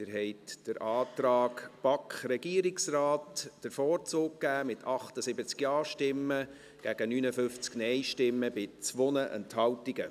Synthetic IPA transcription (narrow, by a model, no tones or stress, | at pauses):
ɪɾɦɛɪtd̥əɾʔɑːt̪ɾɑːkpɑkχɾɛɡiəɾɪksrɑːtd̥əɾfɔːɾt͡soːk̚kːæːmɪtʰɑχt̪əsɪbət͡skjɑːɾʃtɪmːə | ɡ̥æɡənyːnəfʏft͡sknɛjʃtɪmːəbɪt͡sʋonəʔɛ̰nthɑwtiɡə